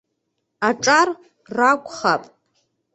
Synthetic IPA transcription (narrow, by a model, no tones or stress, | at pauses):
aʈ͡ʂʼar | rakʷʼχapʼ